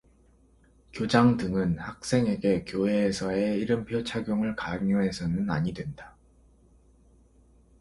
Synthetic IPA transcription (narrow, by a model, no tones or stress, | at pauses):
kjod͡ʑaŋdɯŋɯnhak̚s͈e̞ŋe̞ɡe̞kjoɦe̞ːsʰʌe̞iɾɯmpʰjot͡ɕʰaɡjoŋɯɭkaŋoɦe̞sʰʌnɯna̰ɲidwe̞nda